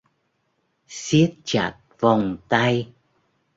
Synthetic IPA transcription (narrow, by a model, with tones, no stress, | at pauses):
si˦˥ət̚t͡ɕa˧˩t̚va˨˩wŋ͡mt̪a˧j